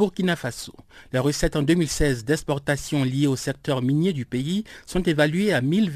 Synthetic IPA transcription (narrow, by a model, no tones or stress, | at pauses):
uʁkʲinafasoleʁəsɛt̪ɑ̃d̪ømilsɛzd̪ɛkspɔʁt̪asjɔ̃lijeosɛk̚t̪œʁminjed̪ypeisɔ̃t̪evalɥeamilv